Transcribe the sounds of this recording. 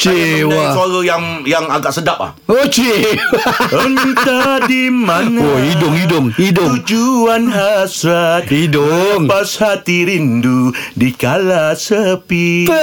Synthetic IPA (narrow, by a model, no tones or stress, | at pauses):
t͡ʃeasaɾəjaŋ | jaŋaɡaʔsədap̚a̰ | ot͡ʃeaəŋit̪adimanoidʊŋidʊŋidʊuŋd͡ʒuanɦasɾat̪̚idoŋpashat̪iɾindudikalasəpi